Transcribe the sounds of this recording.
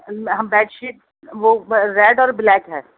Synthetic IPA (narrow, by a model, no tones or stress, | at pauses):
ɦɐbɛːʈʃiːt̚ | ʋoɾɛːɖɔːɾblɛːkɦɛː